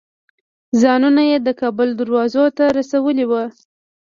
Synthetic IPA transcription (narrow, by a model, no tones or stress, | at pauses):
zɑnunajed̪əkɑbʊld̪aɾwɑzot̪aɾasawəliwə